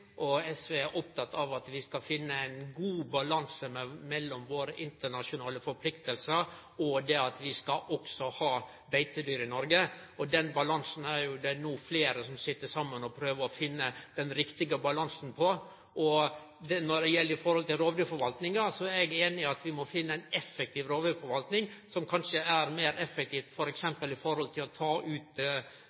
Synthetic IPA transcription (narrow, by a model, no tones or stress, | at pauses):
ʔɔɛsʋeæɾʔɔp̚t̪ʰɑt̪ːɑʋɑt̪ʋɪskɑfɪnːəæɪnɡuːbɑlɑnsəmɛmɛlːɔmʋoːɾəʔɪnt̪əɳɑʂʊnɑːləfɔɾpʰlɪkt̪əlsəɾ | ɔd̪ɛɑt̪ʋɪskɑʔɔksɔhɑː | bæɪt̪əd̪yːɾɪnɔɾɡəɔd̪ɛnbɑlɑŋsn̩æɾjʊd̪ɛnuːfleːɾəsɔmsɪt̪ːəʂɑmːənɔpʰɾøːʋəɔfɪnːəd̪̥ɛnɾɪkt̪ɪɡəbɑlɑnsn̩pʰɔ | ʔɔ | d̪ɛnɔd̪ɛjɛlːəɾɪfɔɾhɔlt̪ɪlɾoːʋd̪yːɾfɔɾʋɑlt̪nɪŋɑsɔɛɡeːnɪɑt̪ʋɪmɔfɪnːəæɪnɛfːɛk̚t̪ʰiːʋɾoːʋd̪yɾfɔɾʋɑlt̪nɪŋsɔmkʰɑnʂəæɾmeːɾɛfːɛk̚t̪ʰiːft̪fɔɾɛksɛmpəlɪfɔɾhɔlt̪ʰɪlɔt̪ʰɑːʔʉːt̪